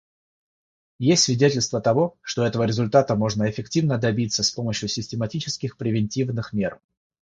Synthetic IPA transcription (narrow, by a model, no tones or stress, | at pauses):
jesʲtʲsvʲɪdʲetʲɪlʲst̪vət̪ɐvo̞ʂt̪o̞ɛt̪əvəɾʲɪzʊlʲt̪at̪əmo̞ʐnəɪfʲɪktʲivnəd̪ɐbʲit̪sːəspo̞məɕjʊsʲɪsʲtʲɪmɐtʲit͡ɕɪskʲɪxpɾʲɪvʲɪnʲtʲivnɨxmʲe̞r